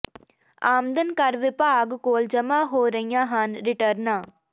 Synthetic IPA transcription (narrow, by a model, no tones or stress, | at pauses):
aːmd̪ənkɐɾʋɪpaːɡkoːld͡ʒəmãːɦoːɾəɦijãːɦanɾɪʈəɾnaː